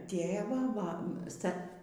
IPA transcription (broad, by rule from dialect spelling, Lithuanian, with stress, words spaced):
ˈtʲeːʋɑː ʋɐ ˈstɐ